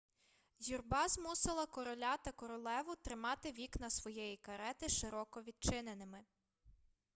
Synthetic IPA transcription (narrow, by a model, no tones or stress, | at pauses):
zʲurbɑzmusɪlˠɐkɔɾɔlʲat̪ɐkɔɾɔlˠɛʋʊt̪ɾɪmɑt̪ɪʋʲiknɐsʋɔjɛjikɐɾɛt̪ɪʃɪɾɔkɔʋʲid̪̚t͡ʃɪnenɪmɪ